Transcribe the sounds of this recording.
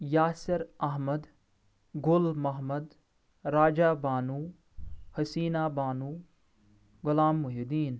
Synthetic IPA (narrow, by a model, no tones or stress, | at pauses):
jaːsɪɾɐɦmɐd̪ | ɡʊlmɐɦmɐd̪ | ɾaːd͡ʒaːbaːnuː | hɐsiːnaːbaːnuː | ɡʊlaːmːʊɦid̪iːn